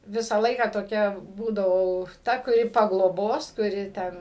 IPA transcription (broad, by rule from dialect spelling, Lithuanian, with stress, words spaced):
ˈʋʲɪsɑː ˈlˠɐɪkɑː toːˈkʲɛ ˈbuːdɐʋɐʊ ˈtɐ kʊˈrʲɪ pɐɡlˠoːˈboːs kʊˈrʲɪ ˈtʲɛn